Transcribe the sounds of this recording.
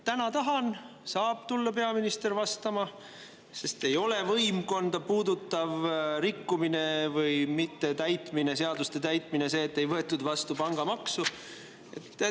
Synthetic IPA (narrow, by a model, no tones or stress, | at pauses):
t̪ænɑt̪ɑɦɑn | sɑːb̥t̪ulːɑpe̞ɑminist̪e̞rvɑst̪ɑmɑ | se̞st̪e̞jo̞le̞vɤjmko̞nd̪ɑpuːd̪ut̪ːˑɑvrikːumine̞vɯjmit̪ːe̞t̪æjt̪mine̞s̬e̞ɑd̪̥ust̪e̞t̪æjt̪ˑmine̞se̞ːt̪ːe̞jvɤe̞t̪ːˑud̪vɑst̪upɑŋɡ̥ɑmɑksu | e̞̰t̪ː